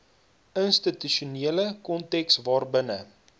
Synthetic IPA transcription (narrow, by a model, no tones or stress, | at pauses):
ənstityʃuniələkɔntɛksvɑːrbənə